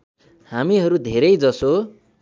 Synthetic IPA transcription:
hamiɦʌɾud̪ʱeɾʌjd͡zʌso

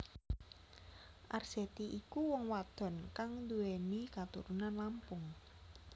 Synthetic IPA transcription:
ʔarset̪iʔikuwɔŋwad̪̥ɔ̤nkaŋd̪uenikat̪ṵɾunanlampʊŋ

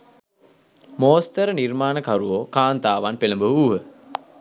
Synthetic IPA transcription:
moːst̪əɾənirmaːnəkaɾuʋokaːnt̪aːʋanpeləmbəɦuuːɦə

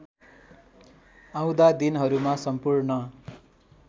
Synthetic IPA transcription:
ãw̃d̪ad̪inɦʌɾumasʌmpurnʌ

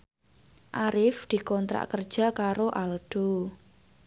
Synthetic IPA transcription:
ʔaɾɪfd̪̥i̤kɔnt̪ɾa̰ʔkərd̥ʒ̥a̤kaɾoʔalɖ̪̥o

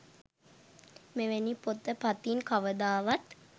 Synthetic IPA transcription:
meʋenipot̪əpat̪inkaʋəd̪aːʋat̪

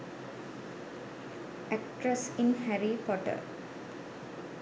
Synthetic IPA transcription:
ʔæk̚ʈɾəsĩnhæɾipɔʈə̰ɾ

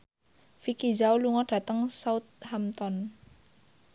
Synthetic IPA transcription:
fikid͡ʒauluŋɔɖ̥a̤t̪əŋsaʊt̪̚hamt̪ɔn

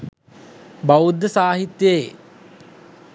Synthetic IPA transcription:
baud̪ːəsaːɦit̪jə

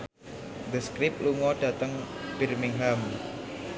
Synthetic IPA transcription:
d̪əskɾɪp̚lumɔɖ̥a̤t̪əŋb̥irmɪŋɦam

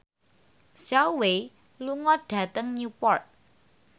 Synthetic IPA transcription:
sawe | luŋɔɖ̥ä̤t̪əŋnupɔrt̪̚

